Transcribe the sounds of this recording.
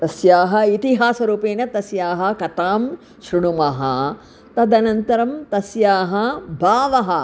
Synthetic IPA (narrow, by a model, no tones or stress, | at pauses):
t̪ɐsjaːɦɐ̆it̪iɦaːsɐɾuːpeːnɐt̪ɐsjaːɦɐkɐt̪aːm | ʃɾiɳumɐɦɐ̰ | t̪ɐd̪ɐnɐnt̪ɐɾɐmt̪ɐsjaːɦɐbʱaːʋɐɦɐ